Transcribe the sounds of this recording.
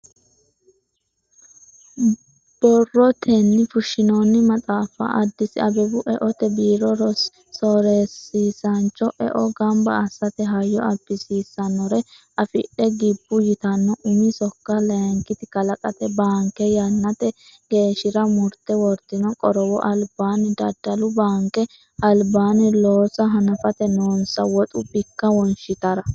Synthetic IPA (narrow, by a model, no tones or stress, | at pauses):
b̥ɔrːɔt̪ʰɛnːɪfʊʃːɪnoːnːɪmɐt͡sʼaːfɐ̰ʔɐd̪ːɪsɪɐbɛbʊʔɛʔɔt̪ɛbiːɾɔɾ | sɔɾeːsːiːsɐnt͡ʃːɔʔɛ̰ʔɔɡɐmbɐɐsɐt̪ɛɦɐjːɔɐbːɪsiːsːɐnːɔɾɛ | ʔɐfɪ̰ɗɛɡɪbːʊjɪt̪ɐnːɔʔʊmɪsɔkːɐlɐjɐŋkɪt̪ɪkɐlɐkʼɐt̪ɛbaːŋkɛjɐnːɐt̪ɛ | ɡ̥e̞ːʃɪɾɐmʊɾt̪ɛwɔɾt̪ːɪnɔkʼɔɾɔwɔʔɐlbaːnɪd̪ɐd̪ːɐlʊbaːŋkɛ | ɐlbaːnɪloːsɐɦɐnɐfɐt̪ɛnoːnsɐwɔt̪ʼʊbɪkːɐwɔnʃɪt̪ɐɾɐ